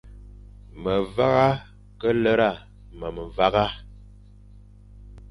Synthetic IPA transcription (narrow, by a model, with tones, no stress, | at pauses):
mə˨va˦ɣa˦ | kə˦lə˦ɾa˦˨ | mə˨mə˨va˦ɣa˦